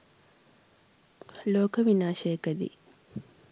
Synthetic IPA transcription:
loːkɐʋinaːʃejkɐd̪ḭ

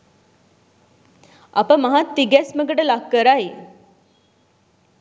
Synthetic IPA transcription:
a̰pəmaɦat̪ːiɡɛsməɡəʈəlakːəɾaj

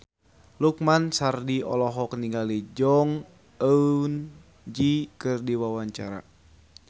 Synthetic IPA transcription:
luk̚mansardiɔ̰lɔɦɔkniŋɡalid͡ʒɔŋ | əun | d͡ʒikɨrdiwawaɲt͡ʃaɾa̰

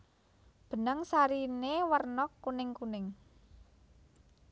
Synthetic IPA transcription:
b̥ə̤nəŋsaɾinewərnɔkːunɪŋkunɪŋ

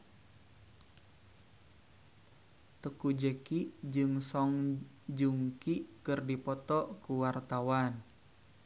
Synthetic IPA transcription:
t̪əkud͡ʒəkiʔd͡ʒɨŋsɔŋ | d͡ʒuŋkiʔkɨrdipɔt̪ɔkuwart̪awan

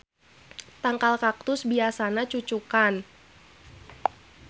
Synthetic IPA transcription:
t̪aŋkalkak̚t̪ʊsbiasanat͡ʃut͡ʃukan

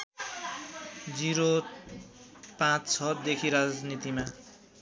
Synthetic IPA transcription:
d͡ziɾo | pãt͡st͡sʰʌd̪ekʰiɾad͡znit̪ima

